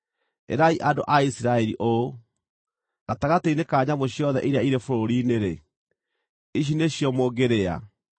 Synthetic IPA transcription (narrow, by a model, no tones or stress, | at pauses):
ḛɾaiʔando̰ʔaisiɾaɛɾḭʔo | ɣataɣateinekaːɲamoɕjɔðɛ̰ʔiɾeaiɾefoɾoɾineɾe | iɕ̬ineɕjɔmoːɡeɾea̰